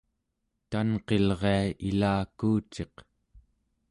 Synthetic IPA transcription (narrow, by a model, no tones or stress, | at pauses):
t̪anqe̞lʁeailaːkuːt͡ʃe̞q